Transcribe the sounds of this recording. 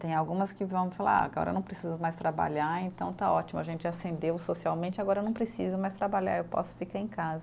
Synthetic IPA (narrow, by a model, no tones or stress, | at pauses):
t̪ẽj̃awɡũmɐskɪvɐ̃w̃fala̰a̰ɡɔ̰ɾɐ̰nɐ̃w̃pɾesizʊmajst̪ɾaba̰ʎaɾẽnt̪ɐ̃w̃t̪aɔt͡ʃimʊaʒẽnt͡ʃɪasẽnd̪ewsosiawmẽnt͡ʃɪaɡɔɾɐnɐ̃w̃pɾesizʊmajst̪ɾabaʎa̰ɾewpɔ̰sʊ̥fikaɾẽj̃kazɐ